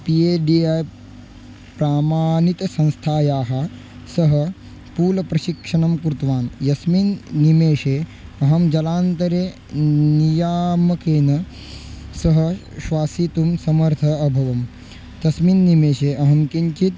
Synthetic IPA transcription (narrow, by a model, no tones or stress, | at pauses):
pieːɖiːaj | pɾaːmaːnit̪ɐsɐ̃nst̪ʰaːjaːɦɐ̆ | sɐɦɐ̆ | puːlɐpɾɐʃikʂɐɳɐmkɾut̪ʋaːnjɐsminːimeːʂeːɐɦɐmd͡ʒɐlaːnt̪ɐɾeː | nijaːmɐkeːnɐ | sɐɦɐ | ʃʋaːsit̪umsɐmɐɾt̪ʰɐːbʱɐʋɐm | t̪ɐsminːimeːʃeːʔɐɦɐmkiɲt͡ʃit̪